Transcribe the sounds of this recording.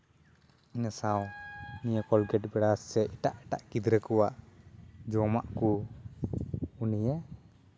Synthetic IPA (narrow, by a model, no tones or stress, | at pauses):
inasawnijɛkɔlɡɛʈbɛɽasːɛiʈaʔɛʈa̰ʔkid̪ɾəkɔwaʔ | d͡ʒɔma̰ʔku | unijɛ